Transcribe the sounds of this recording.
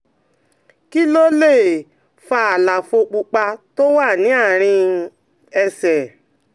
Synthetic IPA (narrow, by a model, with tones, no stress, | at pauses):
ki˦lo˦le˦˨ | fa˧a˨la˨fo˧k͡pu˧k͡pa˧to˦wa˦˨nĩ˨˦a˦˨ɾ̃ĩ˧ | ɛ˧sɛ˨